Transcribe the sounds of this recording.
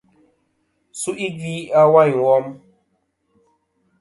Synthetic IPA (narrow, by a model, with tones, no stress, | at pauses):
su˦ʔi˦ɡi˦a˦wa˦˨jwɔ˦m